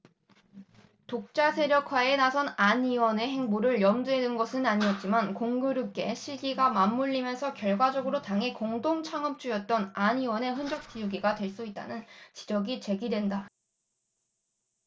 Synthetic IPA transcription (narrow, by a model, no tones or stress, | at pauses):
tok̚t͡ɕ͈asʰe̞ɾjʌkʰwae̞nasʰʌnaniwʌne̞ɦe̞ŋmuɾɯɭjʌmduedɯnɡʌsʰɯnaɲiʌt̚t͡ɕ͈imankoŋɡuɾuk͈e̞ɕʰiɭɡiɡamamːuʎːimjʌnsʰʌkjʌɭɡwad͡ʑʌɡɯɾotaŋɦe̞koŋdoŋt͡ɕʰaŋʌp̚t͡ɕ͈ujʌt̚t͈ʌnaɲiwʌne̞ɸɯnd͡ʑʌk̚t͡ɕ͈ijuɡiɡadwe̞ɭs͈uit̚t͈a̰nɯnt͡ɕi̥d͡ʑʌɡit͡ɕe̞ɡidwe̞nda